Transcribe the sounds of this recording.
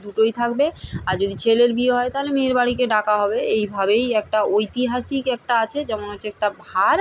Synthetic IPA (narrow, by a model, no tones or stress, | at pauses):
d̪uʈojt̪ʰakbeaɾd͡ʑod̪it͡ɕʰeleɾbieɦɔet̪aɦolemeːɾbaɽikeɖakaɦɔbeejbʱabejɛk̚ʈaojt̪iɦaʃikɛk̚ʈaat͡ɕʰed͡ʑɛmonot͡ɕʰeɛk̚ʈabʱaɾ